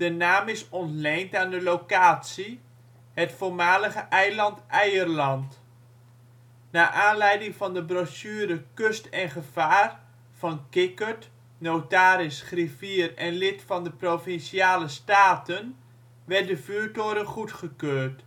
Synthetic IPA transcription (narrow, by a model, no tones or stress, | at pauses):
d̥ənaːmɪsɔntlejntaːndəlowkaːtsi | hətfoːɹmaːləχəʔɛjlɑntɛjərlɑnt | naːʔaːnlɛjdɪŋvɑndəbrɔsyːɾəkɵstɛnχəv̥aːr | v̥ɑnkɪkət | nowtaːɾɪsχriviːərɛnlɪtfɑndəprofɪnsiaːləstaːtən | ʋɛr̚dəvyːtoːɾəχutχəkøːrt